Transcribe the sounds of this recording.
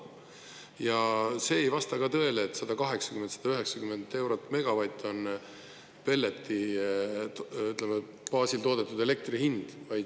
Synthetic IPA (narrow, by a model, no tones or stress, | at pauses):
jɑse̞ːjvɑst̪ɑkɑt̪ɤ̞e̞leːt̪ːsɑd̪̥ɑkɑɦe̞ksɑ̥kyment̪sɑd̪̥ɑyɦe̞ksɑkymend̪e̞wɾot̪ːˑme̞ɡ̥ɑvɑjt̪ːˑo̞n | pe̞lːet̪ːi | yt̪ːˑleme | pɑːsilt̪o̞ːd̪̥e̞t̪ːˑud̪e̞le̞k̚t̪rihind̪̥vɑjd̪